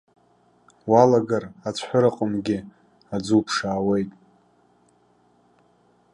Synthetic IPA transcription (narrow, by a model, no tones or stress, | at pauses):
walaɡarat͡sʷʰħʷʊɾaqʼʊmɡʲɪ | ad͡zupʰʂaːwejtʼ